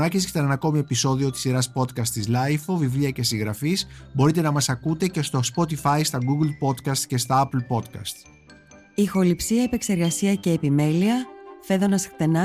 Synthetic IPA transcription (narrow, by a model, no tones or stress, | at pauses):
ɐcis̬it̪ɐnenɐko̞mie̞piso̞ðio̞t̪isiɾɐspo̞t̪kɐst̪izlɐjfovivliɐce̞siŋɣɾɐfisbo̞ɾit̪e̞nɐmɐsɐkut̪e̞ce̞st̪ospo̞t̪ifɐjst̪ɐɡuɡlpo̞t̪kɐst̪ce̞st̪ɐɐpl̩po̞t̪kɐ̰st̪ | ixo̞lipsiɐepe̞kse̞ɾɣɐsiɐce̞ːpime̞liɐfe̞ðo̞nɐskt̪e̞nɐ